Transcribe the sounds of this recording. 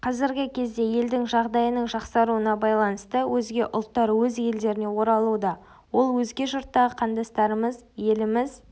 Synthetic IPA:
qʰɑzɪɾɡʲɪkʲʰe̞zd̪e̞je̞ld̪ɪŋʒɑʁd̪ɑjənəɴʒɑqsɑɾuənɑbɑjlˠɑnəst̪əwʔɵzɡʲe̞ʔʊlˠt̪ːɑɾwɵzje̞ld̪e̞ɾɪne̞wo̞ɾɑlˠud̪ɑ | wo̞lˠwɵzɡʲe̞ʒʊɾt̪ːɑʁəqʰɑnd̪ɑst̪ɑɾəməzje̞lɪmɪz

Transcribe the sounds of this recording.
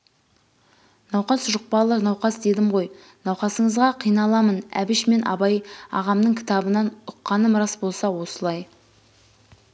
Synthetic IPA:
nɑwqɑsʒʊq̚pɑlˠəɾnɑwqɑsd̪e̞d̪ɪmʁo̞j | nɑwqɑsəɴəzʁɑqʰijnɑlˠɑmənæ̰bɪʃme̞nʔɑ̰bɑjɑ̰ʁɑmnəɴkʲʰɪ̥t̪ɑbənɑnʊqːɑnəmɾɑsbo̞lˠsɑwo̞səlˠɑj

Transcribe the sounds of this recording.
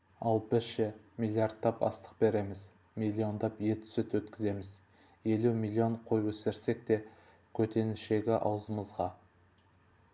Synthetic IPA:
ɑlˠbɪɾʃɪ | mʲilʲˠːiaɾt̪ːɑpɑ̰st̪ə̥q̚be̞ɾe̞mɪz | milʲːio̞nd̪ɑpje̞t̪ʰʏ̥sɪt̪wɵt̪kʲɪze̞mɪz | je̞lumilʲˠːio̞ɴqʰo̞jwɵsɪɾse̞k̚t̪e̞ | kʲʰɵt̪ʰe̞nɪʃe̞ɡʲɪʔɑ̰wzəməzʁɑ

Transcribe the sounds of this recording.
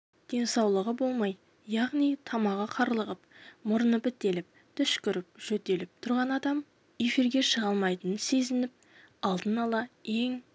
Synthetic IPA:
d̪̥e̞nsɑwlˠəʁəbo̞lˠmɑj | jɑʁnijt̪ʰɑmɑʁɑqʰɑɾlˠəʁəp̚mʊɾənəpɪt̪ːe̞lɪp̚ | t̪ʰʏʃkʲʏɾɪp̚ʒ̥ɵt̪e̞lɪp̚t̪ʰʊɾʁɑnɑd̪ɑm | e̞fiɾɡʲe̞ʃəʁɑlˠmɑjt̪ənənse̞zɪnɪp̚ | ɑlˠd̪ənɑlˠɑe̞ŋ

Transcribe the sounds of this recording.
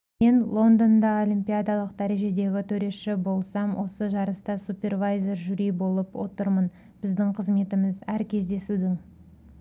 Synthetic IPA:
me̞nlˠo̞nd̪o̞nd̪ɑo̞lʲijmpʲijad̪ɑlˠəq̚d̪æɾe̞ʒe̞d̪e̞ɡʲɪt̪ʰɵɾe̞ʃɪbo̞lˠsɑmwo̞səʒɑɾəst̪ɑsupʲe̞rvajze̞ɾʒyɾijbo̞lˠəpwo̰t̪əɾmən | b̥ɪzd̪ɪŋqʰəzme̞t̪ɪmɪzæɾkʲʰe̞zd̪e̞sud̪ɪŋ

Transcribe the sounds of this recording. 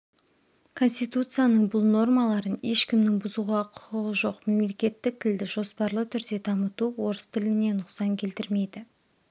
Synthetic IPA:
kʰo̞nsʲt̪ijt̪ut̪sɨjanəɴbʊlˠno̞rmɑlˠɑɾəne̞ʃkʲɪmnɪŋbʊzuʁɑqʰʊ̥qəʁəʒo̞qme̞mle̞kʲe̞t̪ːɪk̚t̪ʰɪld̪ɪʒo̞spɑɾlˠət̪ʰʏɾd̪e̞t̪ʰɑmət̪uwo̞ɾəst̪ʰɪlɪne̞nʊqsɑŋkʲʰe̞lt̪ɪɾmejd̪ɪ

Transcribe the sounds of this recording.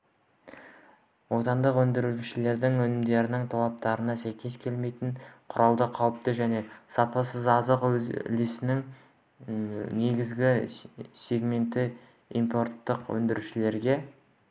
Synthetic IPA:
wo̞t̪ɑnd̪əqwɵnd̪ɪɾuʃɪle̞ɾd̪ɪŋwɵnɪmd̪e̞ɾɪnɪŋt̪ʰɑlˠɑp̚t̪ɑɾənɑsæjkʲe̞skʲʰe̞lme̞jt̪ɪnqʰʊɾɑlˠd̪əqʰɑwəp̚t̪əʒæne̞sɑpɑsəzɑzəqwɵz̰lɪsɪnɪŋ | ne̞ɡʲɪzɡʲɪse̞ɡme̞nt̪ɪ | ḭmpo̞ɾt̪ːəqwɵ̰nd̪ɪɾuʃɪle̞ɾɡʲe̞

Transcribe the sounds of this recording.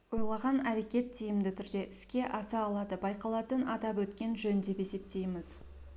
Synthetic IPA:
wo̞jlˠɑʁɑnæɾe̞kʲe̞t̪ʰːijɪmd̪ɪt̪ʰʏɾd̪e̞ʔɪskʲe̞ʔɑsɑːlˠɑd̪əbɑjqɑlˠɑt̪ənɑt̪ɑpwɵt̪kʲe̞nʒɵnd̪e̞pe̞se̞p̚t̪e̞jmɪz

